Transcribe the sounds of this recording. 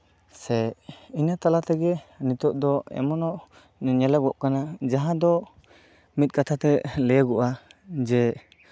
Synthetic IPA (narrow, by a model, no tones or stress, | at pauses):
sɛiɲat̪alat̪ɛɡɛnit̪ɔʔ̚d̪ɔɛ̰mɔnɔʔ | ɲɛlɛbɡɔʔkanad͡ʒaɦãd̪ɔ | mit̪̚ˀkat̪ʰat̪ɛlɛjaɡɔʔad͡ʒɛ